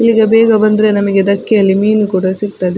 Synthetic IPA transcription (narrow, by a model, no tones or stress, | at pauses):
ilːiɡɐbɛːɡɐbɐnd̪ɾe̞nɐmɐɡe̞d̪ɐkːijɐlːimiːnukuːɽɐsikt̪aːd̪e